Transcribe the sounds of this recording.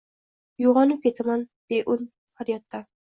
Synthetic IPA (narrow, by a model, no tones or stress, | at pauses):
joʁɒnɪp̚kʲʰet̪ʰamanb̥eʔʊn | faɾjɒt̪ːa